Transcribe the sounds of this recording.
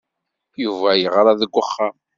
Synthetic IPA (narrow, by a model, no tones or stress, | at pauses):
juvæjəʁɾaðəɡʷːəχːam